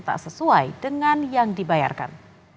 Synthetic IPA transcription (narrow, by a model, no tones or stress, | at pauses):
t̪a̰ʔsəsuajdəŋanjaŋdibaja̰rka̰n